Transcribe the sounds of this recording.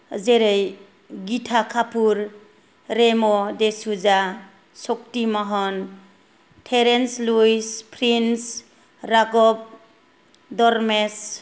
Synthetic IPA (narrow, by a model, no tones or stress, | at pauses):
zeɾej | ɡitʰakʰapʰuɾ | ɾemɔdesuza | sɔk̚timɔɦɔn | tʰeɾenslujspʰɾins | ɾaɡɔp̚ | dɔɾmes